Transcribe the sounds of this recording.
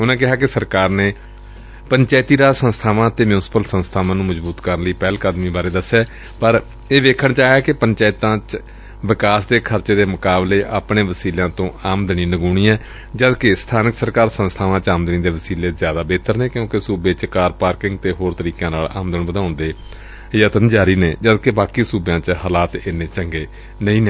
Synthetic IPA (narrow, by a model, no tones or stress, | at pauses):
ʊnãːk̬ɪɦaːkɪsəɾkaːɾneː | pəɲt͡ʃɛːɪt̪iːɾaːsə̃nst̪ʰaːʋãːt̪eːmjʊnɪsɪ̥pəlsə̃nst̪ʰaːʋãːnũːməzbuːt̪kəɾənləiːpɛːlkaːd̪miːbaːɾeːd̪əsːɛː | pəɾ | eːʋeːkʰəɳt͡ʃaːɛːkɪpəɲt͡ʃaːɪt̪ãːt͡ʃ | ʋɪkaːsd̪eːkʰəɾt͡ʃeːd̪eːmʊkaːbleːʔaːpɳeːʋəsiːljãːt̪õːaːmd̪ɪɳ̃iːnəɡuːɳiːɛ̃ː | d͡ʒəd̪kest̪ʰaːnɪksəɾkaːɾsə̃nst̪ʰaːʋãːt͡ʃaːmd̪ɪnĩːd̪eːʋəsiːleːzjaːd̪aːbeːt̪ʰəɾnẽːkjõːkɪsuːbeːt͡ʃkaːɾpaːɾkɪŋɡ̚t̪eːɦoːɾt̪əɾiːkãːnaːla̰ːmd̪əɳʋəd̪ãːʊ̃nd̪eː | jaːt̪ənd͡ʒaːɾiːneːd͡ʒəd̪kebaːkiːsuːbjãːt͡ʃɦaːlaːt̪ɪnːẽːt͡ʃəŋɡeː | nəĩːneː